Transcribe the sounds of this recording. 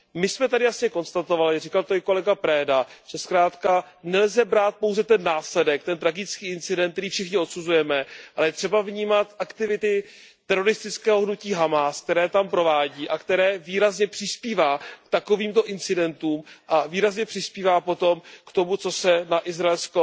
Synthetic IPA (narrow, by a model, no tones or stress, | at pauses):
mɪsmɛt̪adɪjasɲɛko̞nst̪at̪o̞valɪrikalt̪oɪko̞lɛɡapɾɛːdat͡ʃɛskɾaːt̪kanɛlzɛbɾaːt̪̚po̞wzɛt̪ɛnːaːslɛdɛk̚t̪ɛnt̪ɾaɡɪt͡skiːɪnt͡sɪdɛnt̪̚t̪ɛɾiːfʃɪxɲɪo̞t̪suzujɛmɛʔalɛjɛt̪r̝̥ɛbavɲiːmat̪ʔakt̪ɪvɪt̪ɪ | t̪ɛɾo̞ɾɪst̪ɪt͡skɛːɦoɦnuciːɦamask̚t̪ɛɾɛːt̪ampɾo̞vaːɟiːʔakt̪ɛɾɛːviːɾazɲɛpr̝̥ɪspiːvaːkt̪ako̞viːmt̪o̞ʔɪnt͡sɪdɛnt̪uːmʔaviːɾazɲɛpr̝̥ɪspiːvaːpo̞t̪o̞mkt̪o̞mut͡so̞sɛnaʔɪzɾaɛlsko